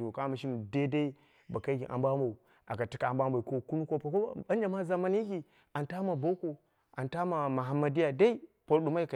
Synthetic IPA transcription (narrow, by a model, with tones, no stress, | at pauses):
ka˦ma˨ʃi˦m˨de˦da˦i˦ | ba˨ka˦ɡʲi˨ʔa̰˨mba˦m˦ba˨u˨ | a˨ka˨ti˦ka˨a˨mba˦ba˨ko˦˨ku˦nu˦ko˦pa˨ko˦ba˦n˦d͡ʒa˨ma˦za˦ma˦n˦i˦ɡʲi˨ | a˨nta˦ma˨bo˦ko˨ | ʔa˨nta˦ma˨ma˨ɦa˨ma˨di˦ja˨da˦i˦po˨lɗu˨ma˦i˦ka˨